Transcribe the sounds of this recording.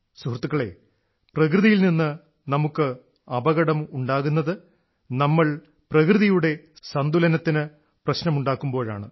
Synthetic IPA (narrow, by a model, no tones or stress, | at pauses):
suhrt̪ːukːɐɭe̞̰ | prɐk̬rɨðijilninːɨ | nɐmukːɨ | ɐbɐɣɐɽɐmuɳɖaːɣunːɐðɨ | nɐmːɐɭ | prɐkrɨðijuɽe̞ | sɐnd̪ulɐnɐt̪ːinɨ | prɐɕnɐmuɳɖaːkːumbo̞ːɻa̰ːɳɨ